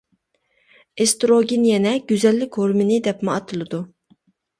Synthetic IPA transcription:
est̪ɾoɡʲinjɛnɛɡ̥ʲyzɛlːɪkʲhoɾmɪnɪd̪ɛpmɪɑt̪ʰɨlˠɨd̪u

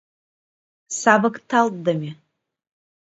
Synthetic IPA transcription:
sabakʼtʰaltʼdamʲi

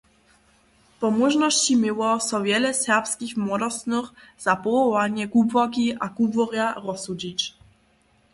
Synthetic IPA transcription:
pɔmɔʒnɔɕt͡ɕimɪwɔsɔvjɛlɛsɛʁpskʲixmwɔd̪ɔsnuχz̥apɔvɔwaɲɛɡubvɔkʲiʔaɡubvɔɾjaɾɔsud͡ʑit͡ɕ

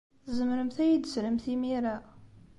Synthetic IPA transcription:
zəmɾəmθæjid̪sləmθimiɾæ

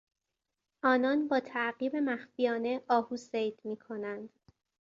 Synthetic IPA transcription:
ʔɒːnɒːnbɒːt̪ʰæʔɢiːbe̞mæxfijɒːne̞ɒːhuːsejd̪̥miːkʰo̞nænd̪̥

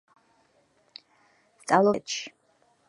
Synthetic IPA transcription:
st̪sʼavlˠɔtʃ

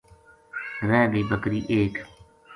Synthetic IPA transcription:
ɾɛːɡəiːbəkɾiːʔeːk

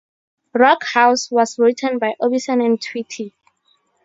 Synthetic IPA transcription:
ɹɔkhawswɔsɹitʰə̃nbajʔobisɔ̃nɛ̃ntʰwitʰi

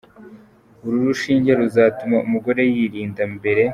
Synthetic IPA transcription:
uɾuɾuʃiːɲɟeɾuzaːtumaumuɡo̞ɾe̞jiːɾiːndambe̞ɾe̞

